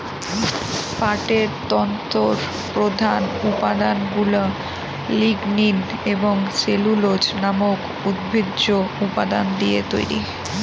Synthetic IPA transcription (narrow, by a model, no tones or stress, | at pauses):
paʈeɾt̪ɔnt̪oɾ | pɾod̪ʱanupad̪anɡulo | liɡnineboŋt͡ɕelulod͡ʑnamok | ud̪̚bʱidːoupad̪and̪iet̪o̰jɾḭ